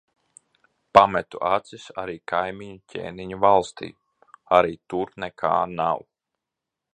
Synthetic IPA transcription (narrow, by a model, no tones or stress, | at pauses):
pamɛt̪uʔat̪sisaɾiːkajmiɲucʰʲḛːniɲuvalˠst̪ḭː | aɾiːt̪uɾnɛkʰa̰ːnaw